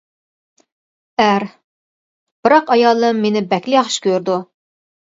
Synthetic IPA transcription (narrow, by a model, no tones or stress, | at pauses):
æɾ | b̥ɨɾɑqɑjɑlˠːɨmːenɪbɛkʲlɪjɑχʃkʲøɾd̪u